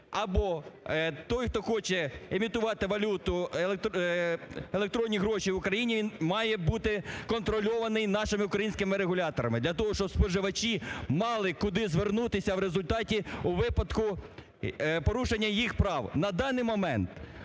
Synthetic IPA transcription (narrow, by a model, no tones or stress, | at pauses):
ɐbɔ | t̪ɔjxt̪ɔxɔt͡ʃɛemʲit̪ʊʋɑt̪ɪʋɐlʲut̪ʊelˠekt̪ | elˠe̞k̚t̪ɾɔnʲːiɦɾɔʃiwʊkɾɐjinʲiʋʲinmɑjɛbut̪ɪkɔnt̪ɾɔlʲɔʋɐnɪjnɑʃɪmɪʊkɾɐjinʲsʲkɪmɪɾeɦʊlʲɑt̪ɔɾɐmɪd̪lʲɐt̪ɔɦɔʃt͡ʃɔbspɔʒɪʋɐt͡ʃimɑlˠɪkʊd̪ɪzʋernut̪ɪsʲɐwɾezʊlʲt̪ɑtʲiʊʋɪpɐd̪kʊ | pɔɾuʃenʲːɐjixpɾɑwnɐd̪ɑnɪjmɔmɛnt̪